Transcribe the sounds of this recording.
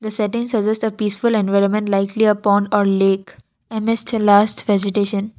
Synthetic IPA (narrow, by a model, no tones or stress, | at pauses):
d̪əsɛʈɪ̃ŋsəd͡ʒɛsʈəpiːsfʊlɛ̃nʋaɪɾə̃mɛ̃ɳʈlaɪkliəpɔ̃ːɳɖɔːɾleːk | ɛ̃mɪsʈlaːsʈʋɛd͡ʒɪʈeːʃə̃n